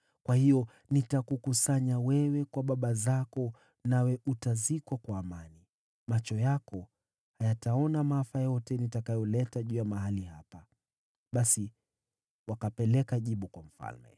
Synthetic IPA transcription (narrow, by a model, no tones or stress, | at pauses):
kwahijɔ | nitakukusaɲawɛwɛkwaɓaɓazakɔ | nawɛʔutazikwakwaːmani | mat͡ʃɔjakɔ | hajataɔnamafajɔtɛnitakajɔlɛtaʄujamaɦalihapa | ɓasi | wakapɛlɛkaʄiɓukwam̩fa̰lmɛ̰